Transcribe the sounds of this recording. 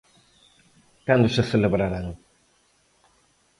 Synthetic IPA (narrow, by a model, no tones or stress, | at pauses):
kand̪ʊseθeleβɾaɾaŋ